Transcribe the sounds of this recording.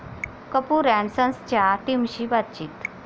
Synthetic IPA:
kəpuɾænsə̃nst͡ɕjaʈimɕibat̪t͡ɕiːt̪

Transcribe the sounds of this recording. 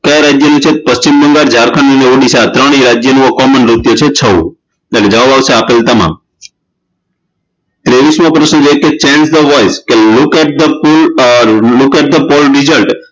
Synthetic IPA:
kajɾad͡ʒjənũt͡ʃʰepəst͡ʃimbəŋɡaɾd͡ʒaɾkʰənəneoɽisat̪ɾəɽ̃iɾad͡ʒjənũəkɔmənɾut̪jut͡ʃʰet͡ʃʰəṵ̃ | eled͡ʒəʋaʋaʋseapelt̪əmã̰m | t̪ɾeʋismõpɾəʃnəd͡ʒojeket͡ʃẽnd͡ʒd̪əʋɔjskelukɛʈ̚d̪əpul | lukɛʈ̚d̪əpɔlɖizəlʈ

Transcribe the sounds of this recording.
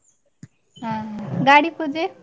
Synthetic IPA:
ɦãɡaɽikʰod͡ze

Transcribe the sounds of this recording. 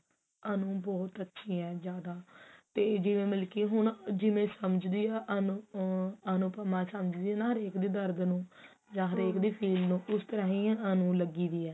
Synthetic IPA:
ənũːbɔːt̪ətːʃʰiːɛːd͡ʒjaːd̪aːt̪eːd͡ʒɪʋẽːmɪlkiːɦʊɳd͡ʒɪmẽːsəməd͡ʒd̪iːɛːʔənũ | ənũːpəmãːsəməd͡ʒd̪iːɛːnaːɦəɾeːkd̪iːd̪əɾd̪nũː | d͡ʒãːɦəɾeːkd̪iːpʰiːlnũːʔʊst̪əɾãːɦĩːənũːləɡiːd̪iːɛː

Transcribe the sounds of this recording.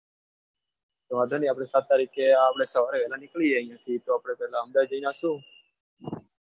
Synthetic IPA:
t̪omad̪ʱaniapɽ̃esat̪ːaɾikeapɽ̃esəʋaɾeʋɛlanɪkɭieəĩjãt̪ʰit̪oaːpɽ̃epɛɦlaəmd̪ad͡ʒəinãsũ

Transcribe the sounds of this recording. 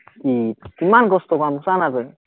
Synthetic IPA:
kikimanɡɔst̪ɔkanmusanadɯ

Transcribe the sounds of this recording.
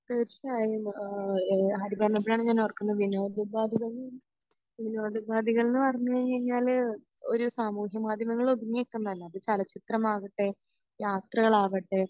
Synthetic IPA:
t̪eɾiaːji | ɦɐɾibɐɳɐbɾaːɳɨɲaːnːeɐrkːunːuʋinoːd̪ubaːd̪ʱiðonː | ʋinoːd̪ubaːd̪ʱiɣɐɭnːɨpɐrɐɲːuakɐɲːaːl | o̰ɾusaːmuːɦjɐmaːd̪ʱjɐmɐŋːɐɭodiɲːekʲːunːɐðɐlːɐɐðɨt͡ɕɐlɐt͡ɕit̪rɐmaːɣiʈːe | jaːt̪rɐɣɐɭaːʋeʈːe

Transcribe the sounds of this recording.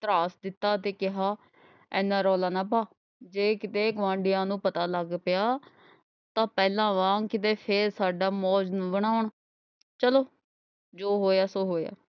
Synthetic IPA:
t̪əɾaːsd̪ɪt̪ːaːt̪eːkɪɦaː | ɛ̃ːnãːɾɔːlaːnãːpaː | d͡ʒeːkɪt̪eːɡəʋãːɳɖɪjãːnũːpət̪aːləɡpɪjaː | t̪ãːpɛːlãːʋãːŋkɪt̪eːpʰeːɾsaːɖaːmɔːd͡ʒnũːbəɳ̃aːʊɳ | t͡ʃəloː | d͡ʒoːɦoːjaːsoːɦoːja̰ː

